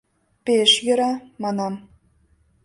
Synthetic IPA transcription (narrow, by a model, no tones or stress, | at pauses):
peʃjɤ̆ɾɑmɑnɑm